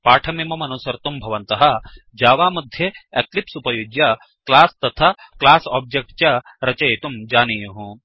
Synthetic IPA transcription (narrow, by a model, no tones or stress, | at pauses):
paːʈʰɐmeːmɐmɐnoːsɐɾt̪umbʱɐʋɐnt̪ɐɦɐ | d͡ʒaːʋaːmɐd̪ʱjeeklipsupɐjoːɡjɐ | klaːst̪ɐt̪ʰa | klaːsɔːb̚d͡ʒek̚ʈt͡ʃɐ | ɾɐt͡ʃɐjet̪umd͡ʒaːnijɐɦũ